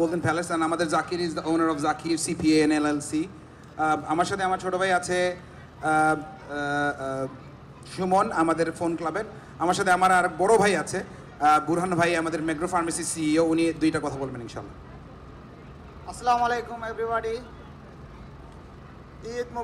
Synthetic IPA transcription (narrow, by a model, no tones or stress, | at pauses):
bold̪enpɛlesanamad̪eɾzakiɾizd̪ɐʔonaɾɔfzakʰiɾsipienelelsi | amaɾʃat̪ʰeamaɾt͡ɕʰoʈobʱajat͡ɕʰe | ʃumonamad̪eɾfonklabeɾ | amaɾʃat̪ʰeamaɾaɾk̚bɔɽobʱajat͡ɕʰe | buɾɦanːobʱajamad̪eɾmeɡɾofaɾmɛsisiiounid̪ujʈakɔt̪ʰabolbeninʃa̰ːlːa | ɐsɐlamalejkumebɾibaɖi | id̪̚m